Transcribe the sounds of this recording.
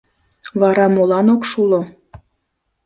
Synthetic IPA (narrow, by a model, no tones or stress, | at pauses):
βɑɾɑmolɑnokʃulo